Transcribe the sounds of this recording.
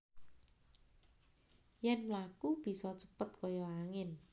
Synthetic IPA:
jɛnmlakub̥i̤sɔt͡ʃə̥pət̪̚kojɔaŋɪn

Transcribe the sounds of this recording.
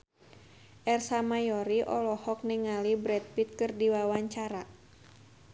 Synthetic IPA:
ʔɛrsamajɔɾiʔɔ̰lɔhɔk̚niŋalibɾɛt̪̚pit̪̚kɨrdiwawaɲt͡ʃaɾa

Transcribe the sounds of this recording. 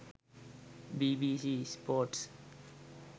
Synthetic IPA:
bibisispoɾʈs

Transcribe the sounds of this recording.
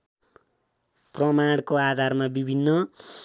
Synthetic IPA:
prʌmaɽkoad̪ʱarmabibʱinːʌ

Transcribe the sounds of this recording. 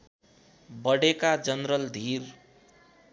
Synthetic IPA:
bʌɽekad͡zʌnɾʌld̪ʱir

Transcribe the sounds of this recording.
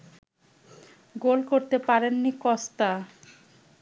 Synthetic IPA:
ɡolkoɾt̪epaɾenːikɔst̪a

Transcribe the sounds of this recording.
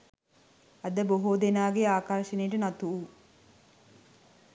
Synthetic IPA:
ɐd̪əboɦoːd̪enaːɡeaːkaɾʃenejʈənat̪uu

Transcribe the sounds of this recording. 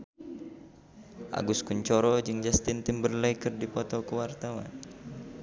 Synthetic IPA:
ʔa̰ɡuskuɲt͡ʃɔɾɔd͡ʒɨŋd͡ʒast̪ɪnt̪imbərlejkərdipɔt̪ɔkəwart̪awa̰n

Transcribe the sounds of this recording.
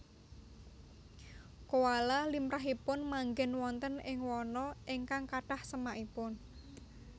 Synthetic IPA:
kowalalimpɾaɦipʊnmaŋɡɛnwɔnt̪ənɪŋwɔnɔɪŋkaŋkaʈahsəmaʔipʊn

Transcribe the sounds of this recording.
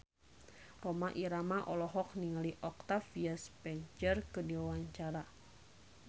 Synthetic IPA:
rɔmaʔiɾamaʔɔlɔɦɔk̚niŋaliʔɔk̚t̪afiaspɛɲt͡ʃərkədiwawaɲt͡ʃaɾa

